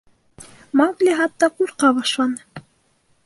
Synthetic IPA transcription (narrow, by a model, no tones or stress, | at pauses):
mɑɡlʲiɦɑt̪ːɑkuɾqɑbɑʃlˠɑnɤ